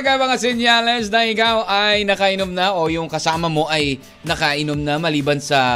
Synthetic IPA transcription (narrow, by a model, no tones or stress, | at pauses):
ɡamɐŋasɛnjalɛsnɐŋɪkawʔɐjnɐkɐʔɪnomnɐʔo̞jʊŋkɐsaːmɐmo̞ʔɐj | nɐkaʔɪnomnɐmɐliːbɐnsɐ